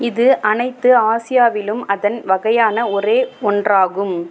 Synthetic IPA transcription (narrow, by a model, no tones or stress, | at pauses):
ɪðɯʔɐnɐɪt̪ːɯaːsɪjaːʋɪlɯmɐðɐnʋɐɣɐjaːnɐɔreːɔndraːɣɯm